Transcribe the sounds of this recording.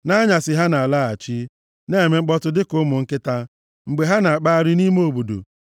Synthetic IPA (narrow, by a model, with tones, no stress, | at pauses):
na˦ɲa˨sɪ˨ɦa˦na˨a˨la˦a̰˨t͡ʃi˦ | ne˦˨me˨ŋ͡m̩˦k͡pɔ˦tʊ˦dɪ˦kʊ˦mʊ˨ŋ̩˦kɪ˦ta˦ | ŋ͡m̩˨ɡ͡be˨ɦa˦na˨a˨k͡pa˦a˦ɾɪ˦ni˦m˦o˦˨bu˨dṵ˨